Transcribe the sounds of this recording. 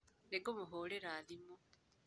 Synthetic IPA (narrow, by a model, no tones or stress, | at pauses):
neɡomuɦoːleɾaːðimo